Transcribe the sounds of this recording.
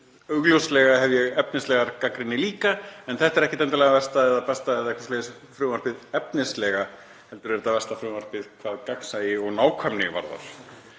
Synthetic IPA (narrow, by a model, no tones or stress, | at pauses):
œɣlowslɛɣaɦɛvjɛɣɛpnɪslɛɣaɾkakɾɪnːɪliːkaɛnθɛht̪ɛɾɛhcɪt̪ɛnt̪alɛɣavɛr̥st̪aɛðapɛst̪aɛðaɛkvḁsleːðs | fɾuːmaɾ̥pɪðɛpnɪslɛɣa | hɛl̪t̪ʏɾvɛɾɪt̪avɛrst̪afɾuːmaɾ̥pɪðkʰvaːðkaksajɪɔɣnaːwkʰvamnɪva̰ɾða̰ɾ̥